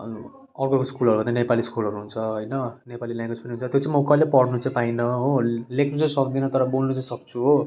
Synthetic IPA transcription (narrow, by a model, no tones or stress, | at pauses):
ʌrkokoskulɦʌɾubʱʌnd̪anepaliskulʌɾuɦunt͡sʰʌɦojnʌnepaliljãŋɡwed͡zpʌniɦunt͡sʰʌt̪jot͡sãĩmokalepʌɽnut͡saĩpainʌɦolekʰnut͡sʌ̃sʌk̚d̪inʌt̪ʌɾʌbolnut͡saĩsʌkt͡sʰuɦo